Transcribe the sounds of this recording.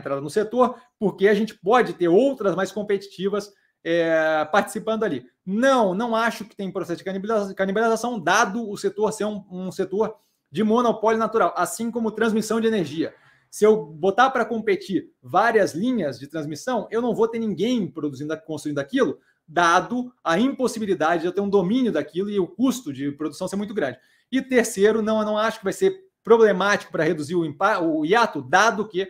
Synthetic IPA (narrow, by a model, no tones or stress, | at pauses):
t̪ɾad̪ɐnʊset̪oɾpoɾkeaʒẽnt͡ʃɪ̥pɔd͡ʒɪt̪eɾowt̪ɾɐzmajskõpet͡ʃi̥t͡ʃivɐs | ɛpaɾt͡ʃɪ̥sipɐ̃nd̪ʊali | nɐ̃w̃nɐ̃w̃aʃʊkɪ̥t̪ẽj̃ũpɾosɛsʊd͡ʒɪkaniblkanibalizasɐ̃w̃d̪ad̪ʊːset̪oɾseɾũũset̪oɾ | d͡ʒɪmõnopɔljʊnat̪uɾawʔasĩkõmʊt̪ɾɐ̃zmisɐ̃w̃d͡ʒɪeneɾʒiɐ | sɪewbot̪aɾpɾɐkõpet͡ʃiɾvaɾiɐzlĩɲɐzd͡ʒɪt̪ɾɐ̃zmisɐ̃w̃ewnɐ̃w̃vowt̪eɾnĩŋɡẽj̃pɾod̪uzĩnd̪akõst̪ɾuĩnd̪akilʊ | d̪ad̪ʊɐĩposibilid̪ad͡ʒɪd͡ʒewt̪eɾũd̪omĩnjʊd̪akilʊɪʊkust̪ʊd͡ʒɪpɾod̪usɐ̃semũt̪ʊɡɾɐ̃d͡ʒɪ | ɪt̪eɾseɾʊnɐ̃w̃nɐ̃w̃aʃʊ̥kɪvajseɾ | pɾoblemat͡ʃi̥kʊpɾɐhed̪uziɾʊĩpaʊiat̪ʊd̪ad̪ʊkɪ